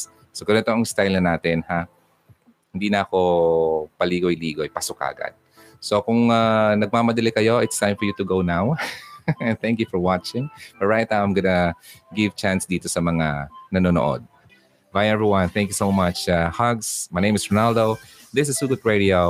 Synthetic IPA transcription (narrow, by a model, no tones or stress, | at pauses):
sokɐnɛt̪oʔɐŋst̪ajlnɐnaːt̪ɪnha | hɪnd̪iːnɐʔɐko̞pɐliːɡojliːɡojpasʊka̰ʔɐ̰ɡa̰d̪̚ | sokʊŋanɐɡ̚maːmɐd̪ɐlɪkɐjo̞ʔɪt̪st̪ãj̃mfɔɹjut̪ʊɡownaw | nθɛ̃ŋkjufɔɹwat͡ʃɪ̃ŋfɐɹajt̪̚nawãmɡɐnɐɡɪvt͡ʃansd̪iːt̪osɐmɐŋanɐnoːno̰ʔo̰d̪̚ | bajɛvɹiwɐ̃nθɛ̃ŋkjusowmat͡ʃahaɡsmajnẽjmɪsɹɔnald̪o | ðɪs̬ɪsuɡʊd̪̚ɹed̪io